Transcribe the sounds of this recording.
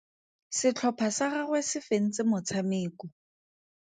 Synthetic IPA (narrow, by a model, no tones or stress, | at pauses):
sɪt͡ɬʰɔpʰasaɣaɣwesɪfen̩t͡sʼɪmʊt͡sʰameːkɔ